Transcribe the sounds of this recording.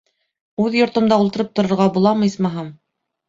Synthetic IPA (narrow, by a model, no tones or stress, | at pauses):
ʉðjŏɾt̪ŏmd̪ɑulˠt̪ɤ̆ɾɤp̚t̪ŏɾŏɾʁɑbulˠɑmɤjsmɑɦɤm